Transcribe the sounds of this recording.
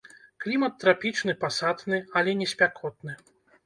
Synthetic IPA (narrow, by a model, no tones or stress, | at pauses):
klʲimɐt̪ːɾapʲit͡ʂnɨpasat̪nɨɐlʲɛnʲɛsʲpʲakʰɔt̪̚nɨ